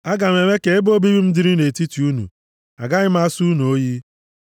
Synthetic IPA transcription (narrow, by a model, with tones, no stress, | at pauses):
a˦ɡa˨m˨e˨me˦ke˨e˦bo˦bi˦bi˦m̩˦dɪ˦ɾi˦ne˨ti˦ti˨u˦nṵ˨ | a̰˨ɡa˦ɣɪ˦m˦a˦su˦nu˨o˦ji˦